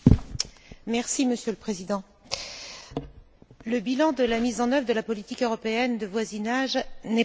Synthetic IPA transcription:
mɛʁsiməsjøləpχezid̪ɑ̃ | ləbilɑ̃d̪əlamizɑ̃nœvʁd̪əlapɔlit̪ikøʁɔpeɛnd̪əvwazinaʒnɛ

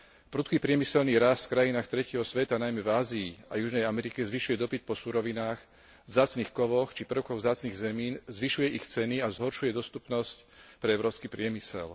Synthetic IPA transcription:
pɾuːt̪kipɾɪɛmisɛlniːɾast̪fkɾajinaːxt̪ɾɛcɛɦɔsʋɛt̪anajmɛvaːziːajuʒnɛjamɛɾikɛzʋiʃujɛd̪ɔpit̪̚pɔsuɾɔʋinaːx | vzaːt͡sniːxkɔʋɔxt͡ʃipr̩ʊkɔɣvzaːt͡sniːɣzɛmiːnzʋiʃujɛʔixt͡sɛniazɦɔɾʃujɛd̪ɔst̪upnɔscpɾɛɛʊɾɔːpskipɾɪɛmisɛ̰l

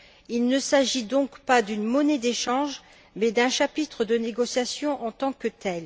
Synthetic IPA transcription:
ilnəsaʒid̪ɔ̃kpad̪ynmɔned̪eʃɑ̃ʒ | mɛd̪ɛ̃ʃapit̪χəd̪əneɡɔsjasjɔ̃ʔɑ̃t̪ɑ̃kət̪ʰɛl

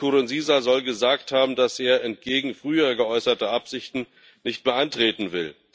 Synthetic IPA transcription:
oːʁɪnziːzazɔlɡəzaːkthaːbm̩dasʔeːɐʔɛntɡ̥eːɡŋ̩fʁ̥yːɐɡəʔɔʏsɐtəʔapz̥ɪçtn̩ | nɪçtb̥əʔantʁ̥eːtn̩vɪl

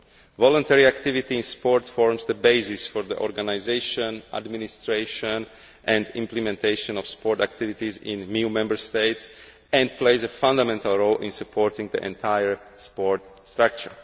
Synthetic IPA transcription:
vɔlə̃nt̪ɛɹiakt̪ivit̪iĩnspɔɹt̪fɔɹmzd̪əbeɪzɪsfɔɹd̪ə̰ʔɔ̰ɾɡanaɪzeɪʃə̃na̰d̪minist̪ɾeɪʃə̃n | ʔɛ̃nd̪ĩmplɛmɛ̃nt̪ʰeɪʃɔ̃nɔfspɔɹt̪akt̪ivit̪izḭ̃nmjumɛ̃mbəɹst̪eɪt̪s | ɛ̃nd̪pleɪzəfãnd̪amɛ̃nt̪alˠɹoʊlʔḭ̃nsupʰɔɹt̪ĩŋɡd̪ḭʔɛ̰̃nt̪ʰajəɹ | spɔɹt̪st̪ɾak̚t͡ʃəɹ

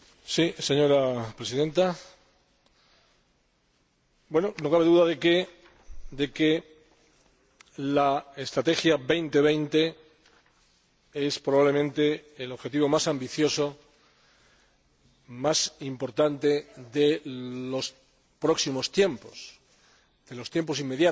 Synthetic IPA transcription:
sise̞ɲo̞ɾapɾesiðe̞nt̪a | bwe̞nono̞kaβe̞ðuðaðeke | d̪e̞ke | lae̞st̪ɾat̪e̞xjaβe̞jnt̪e̞β̞e̞jnt̪e̞ | e̞spɾo̞βaβle̞mẽnt̪e̞ːlo̞βxe̞t̪iβo̞masambiθjo̞so̞ | masimpo̞ɾt̪ant̪e̞ðelo̞s | pɾo̞ksimo̞st̪je̞mpo̞s | ð̥e̞lo̞st̪je̞mpo̞s̬imːe̞ðja

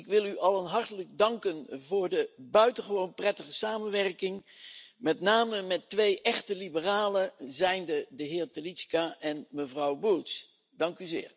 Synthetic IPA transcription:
ɪkʋɪlˠyʔɑlənɦɑɹtələɡ̚dɑŋkənvʊːɹdəbœɥtəχəʋownprɛtəχəsaːmənʋɛrkɪŋ | mɛtnaːməmɛtʋejʔɛχtəlibəraːləzɛjndədəɦɪːɹtəliskaʔɛnməvrɑwbulˠs | d̥ɑŋkyzɪ̰ːɹ

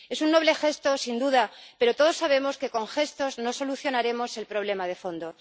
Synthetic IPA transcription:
e̞sunːo̞β̞le̞xe̞st̪o̞sind̪uðape̞ɾo̞t̪o̞ðo̞saβ̞e̞mo̞ske̞ko̞ŋxe̞st̪o̞zno̞so̞luθjo̞naɾe̞mo̞se̞lpɾo̞β̞le̞mað̞e̞fo̞nd̪o̞

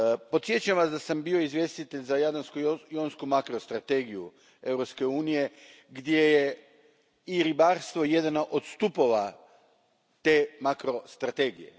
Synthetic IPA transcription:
po̞t̪sje̞t͡ʃuamʋasd̪asambio̞izʋje̞st̪it̪eʎzajad̪anskujonskumakɾo̞st̪ɾat̪eɡiju | e̞wɾo̞pske̞uːnije̞ | ɡd̪je̞je | iɾibaɾst̪ʋo̞je̞d̪anoʔot̪st̪upo̞ʋa | t̪e̞ːmakɾo̞st̪ɾat̪e̞ːɡije̞̰

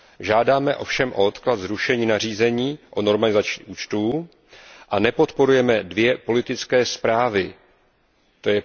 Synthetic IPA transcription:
ʒaːdaːmɛʔo̞̰fʃɛmʔo̞ot̪klat̪zɾuʃɛɲiːnar̝iːzɛɲiːʔo̞no̞ɾmalɪzat͡ʃiʔuːt͡ʃt̪uː | ʔanɛpo̞t̪po̞ɾujɛmɛdvjɛpo̞lɪt̪ɪt͡skɛːspɾaːvɪ | t̪o̞jɛ

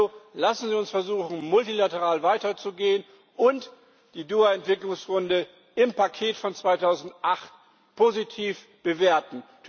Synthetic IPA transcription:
olasn̩ziːʊnsfɛɐzuːxn̩mʊltilatəʁ̞aːlvaɪtɐt͡suɡeːən | ʔʊnt | d̥iːduːaɛntv̥ɪklʊŋsʁʊndə | ɪmpakʰeːtfɔnt͡sv̥aɪtʰaʊzn̩tʔaχt | pʰozitʰiːf | b̥əveːɐtn̩tʰ

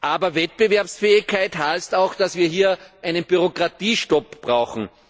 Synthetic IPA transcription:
ʔaːbɐvɛt̚b̥evɛɐpsfɛːɪçkʰːaɪtɦaɪstaʊxd̥asviːɐɦiːɐʔæɪnənb̥yʁokʁatiːʃtɔpb̥ʁaʊxn̩

